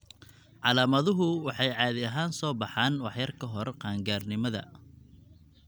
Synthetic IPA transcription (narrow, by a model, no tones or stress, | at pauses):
ʕɑlaːmɐðʊɦʊwɑħɑjʕɑːðɪɐɦaːnsɔːbɑħɑːnwɑħjɐrkʰɐɦɔrqɑːŋɡaːrnɪmɐðɐ̰